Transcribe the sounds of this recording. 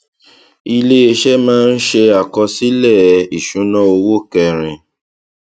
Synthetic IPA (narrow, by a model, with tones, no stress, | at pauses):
i˧le˦e˧ʃɛ˦mãː˦n̩˦ʃe˧a˨kɔ˧si˦lɛ˦˨i˨ʃũ˨˦nɔ̃˦o˧wo˦˨kɛ˧ɾ̃ĩ˧